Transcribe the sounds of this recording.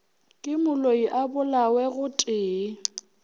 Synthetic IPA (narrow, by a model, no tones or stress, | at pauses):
kʼɪmʊloiʔabʊlawɛɣʊtʼɪː